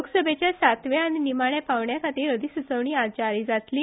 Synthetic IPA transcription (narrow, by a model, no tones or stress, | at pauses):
oksəbʱet͡ɕjasat̪ʋeaninimaɳjapaʋɳjakʰaʈ̪iːɾəd̪ʱisut͡səʋɳiat͡ɕaɾiːd͡zat̪liː